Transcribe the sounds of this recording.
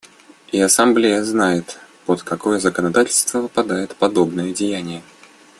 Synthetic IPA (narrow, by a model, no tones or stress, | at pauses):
iɐsɐmblʲejəznajɪt̪pot̪kɐko̞jəzəkənɐd̪atʲɪlʲst̪vəvɨpɐd̪ajɪt̪pɐd̪o̞bnəjədʲɪjænʲɪjə